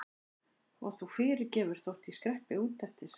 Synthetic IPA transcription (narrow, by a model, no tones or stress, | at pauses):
ɔ̰ɣθufɪːɾɪɾcɛːvʏɾ̥θowht̪iskɾɛhpɪuːt̪ɛft̪ɪɾ̥